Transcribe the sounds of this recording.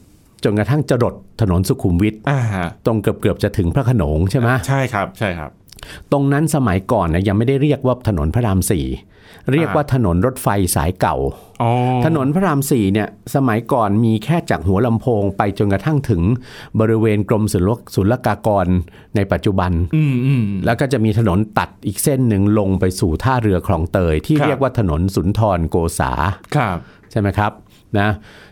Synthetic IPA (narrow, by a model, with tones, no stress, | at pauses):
t͡ɕo˧nkɾa˧t̪ʰa˥˩ŋt͡ɕa˧ɾo˨˩t̪ʰːa˧no˩˦nsu˨˩kʰu˨˩˦mwi˦˥t̪̚a˧o˧ŋkɯ˨˩p̚kɯ˨˩əp̚t͡ɕa˨˩t̪ʰɯ˩˦ŋpʰɾa˦˥˩kʰa˧noː˩˦ŋt͡ɕʰe˥˩ma˦˥t͡ɕʰa˥˩jkʰp̚t͡ɕʰa˥˩jʰa̰˦˥p̚t̪o˧ŋna˦˥nsa˧ma˩˦jkɔː˨˩nːa˧˩ja˧ŋma˥˩jda˥˩jɾiː˥˩ək̚waː˥˩t̪ʰa˧no̰˩˦npʰa˦˥ɾaː˧msḭː˨˩ | ɾi˥˩əkwaː˥˩t̪ʰa˧no˩˦nɾo˦˥t̪̚fa˧jsa̰ː˩˦jka̰˨˩w | ʔɔ˧t̪ʰa˧no˩˦npʰɾa˥ɾaː˧msiː˨˩ni˥˩ɐsa˧ma˩˦jkɔː˨˩nmiː˧kʰɛː˥˩t͡ɕaː˨˩k̚ɦu˩˦ɐla˧mpʰoː˧ŋpa˧jt͡ɕo˧nka˧t̪ʰa˥˩ŋt̪ʰɯ˩˦ŋbɔː˧ɾi˦˥weː˧nkɾo˧msu˩˦su˨˩˦nla˧˥kaː˧kɔː˧nː | a˧jpa˨˩t̪̚t͡ɕu˨˩ba˧nː˧˩ | lɛː˦˥wkɔː˥˩t͡ɕa˨˩ʔmiː˧t̪ʰa˧no˩˦nt̪a˨˩t̪̚ʔiː˨˩k̚se˥˩nːɯ˨˩ŋlo˧ŋpa˧jsuː˨˩t̪ʰaː˥˩ɾɯ˧ɐkʰlɔː˨˦ŋt̪ɤː˧jt̪ʰiː˥˩ɾi˥˩əkwaː˥˩t̪ʰa˧no˩˦nsu˩˦nt̪ʰɔː˧nkoː˧sa̰ː˩˦kʰ | t͡ɕʰa˥˩jma˦˥jkʰɾa˦˥p̚ | na˦˥